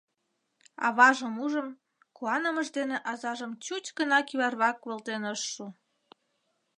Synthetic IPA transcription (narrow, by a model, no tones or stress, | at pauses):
ɑ̰βɑʒəmuʒəm | kuɑnəməʒd̪eneʔɑzɑʒəmt͡ɕut͡ɕɡənɑkiβɑrβɑkβəlt̪enəʃːu